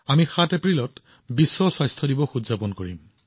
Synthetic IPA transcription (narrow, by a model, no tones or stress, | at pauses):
amixatepɹilɔt | bisːɔsɔjstʰɔdibɔxudzapɔnkoɹḭm